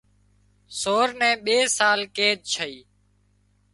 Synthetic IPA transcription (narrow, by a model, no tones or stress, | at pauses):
soːɾnɛ̃ːɓeːsaːlkeːd̪̚t͡ʃʰəiː